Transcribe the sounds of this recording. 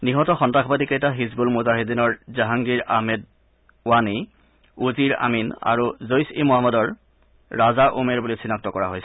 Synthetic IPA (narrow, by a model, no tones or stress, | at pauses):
niɦɔtɔxɔntaxʰɔbadikejtaɦizbulmuzaɦedinɔɹzaɦaŋɡiɹaɦmɛd | wani | uziɹa̰mina̰ɹuzojsimoɦamɔdɔɹː | azaʔumeɹbulisinak̚tɔkɔɹaɦojsʰɛ